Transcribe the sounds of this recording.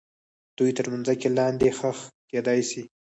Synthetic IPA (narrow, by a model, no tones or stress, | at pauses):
d̪̥ujt̪əɾmanzakelɑnd̪exəxked̪ɑjsi